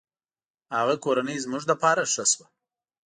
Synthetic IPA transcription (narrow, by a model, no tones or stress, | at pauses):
haɣakoɾanəjzmʊʐd̪apɑɾaʂəswa